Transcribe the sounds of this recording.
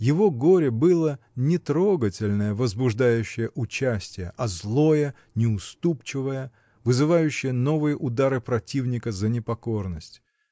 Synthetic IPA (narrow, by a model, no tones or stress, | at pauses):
jɪvo̞ɡo̞ɾʲɪbɨlˠə | nʲɪt̪ɾo̞ɡətʲɪlʲnəjəvəzbʊʐd̪ajʉɕːɪjəʔʊt͡ɕæsʲtʲɪjəʔɐzlˠo̞jə | nʲɪʊst̪upt͡ɕɪvəjə | vɨzɨvajʉɕːɪjəno̞vɨjəʔʊd̪aɾɨpɾɐtʲivnʲɪkəzənʲɪpɐko̞rnəsʲtʲ